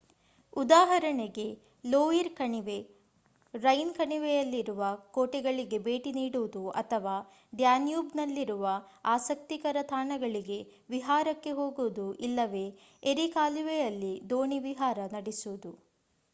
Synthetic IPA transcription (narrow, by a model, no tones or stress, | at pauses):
ud̪aːɦɐɾɐɳeɡe̞ | loːiɾkɐɳiʋe̞ | ɾɐjnkɐɳiʋejɐlːiɾuʋɐkoːʈɛɡɐɭiɡe̞be̞ːʈiniːɽuud̪uɐ̰t̪ʰɐʋaː | ɖjaːnjubnɐlːiɾuʋɐaːsɐk̚t̪ikɐɾɐt̪ʰaːɳɐɡɐɭiɡe̞ | ʋiɦaːɾɐkːe̞ɦo̞ːɡud̪uʔilːɐʋe̞ː | eɾikaːliʋejɐlːid̪o̞ːɳiʋiɦaːɾɐnɐɽisuud̪u